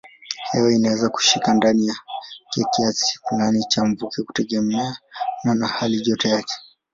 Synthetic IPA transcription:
hɛwɛinawɛzaku̥ʃikandanijakɛkiasi̥ŋɡanit͡ʃamvukɛku̥tɛɠɛmɛananahaliʄɔtɛjakɛ̥

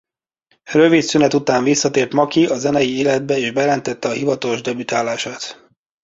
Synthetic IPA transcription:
røvit̪synɛt̪ut̪aːɱvisːɒt̪eːrt̪mɒkiɒzɛnɛjieːlɛd̪̚bɛeːʒbɛjɛlɛnt̪ɛt̪ːɛɒhivɒt̪oloʒd̪ɛbyt̪aːlaːʃaːt̪

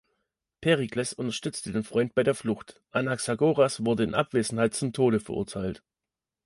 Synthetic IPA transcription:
pʰeʁiklɛsʊntɐʃtʏt͡stədeːnfʁ̥ɔʏnt̚b̥aɪɾeːɐflʊxtʔanaksaɡoːʁasv̥ʊɐdəɪnʔa̰pv̥eːzn̩haɪtt͡sʊmtʰoːɾəfɛɐʔʊ̰ɐtʰaɪlt

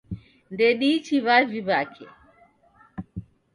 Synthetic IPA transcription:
ndɛɗit͡ʃiβaviβakʰɛ̰

